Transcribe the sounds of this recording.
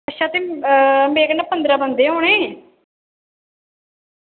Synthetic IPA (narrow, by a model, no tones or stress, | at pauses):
əʃãːt̪eːmeːɡnapənd̪ɾãːbənd̪eːɦoːɽ̃ẽː